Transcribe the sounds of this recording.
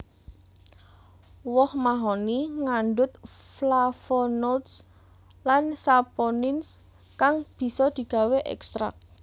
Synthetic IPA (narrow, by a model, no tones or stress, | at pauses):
wɔhmaɦɔniŋaɳɖʊt̪̚flafɔnɔlt̪s | lansapɔnɪns | kaŋb̥i̤sɔd̪̥i̤ɡ̥a̤weʔɛ̰kst̪ɾa̰k̚